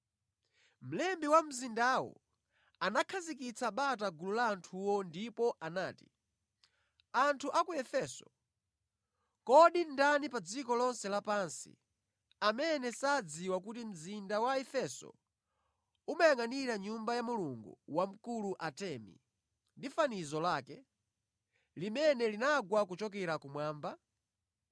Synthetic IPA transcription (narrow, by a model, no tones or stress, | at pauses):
m̩lɛmbiwam̩zindawɔ̰ | anakʰazik̬it͡sʰaɓataɡululaːntʰuwɔndipɔʔanaːti̥ | antʰuʔakujɛfɛsɔ̥̰ | kɔɗindanipad͡zikɔlɔnsɛlapansḭ | amɛnɛsaːd͡ziwakutim̩zindawaɛfɛsɔ̰ | umajaŋaniɾaɲumbajamuluŋɡṵwam̩kuluʔatɛmḭ | ndifanizɔlaːkɛ | limɛnɛlinaɡwakut͡ʃɔk̬ɛɾakumwaːmba